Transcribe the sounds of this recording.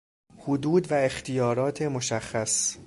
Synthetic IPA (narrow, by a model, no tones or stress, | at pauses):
hod̪uːd̪væext̪ʰijɒːɾɒːt̪ʰe̞moʃæxːæs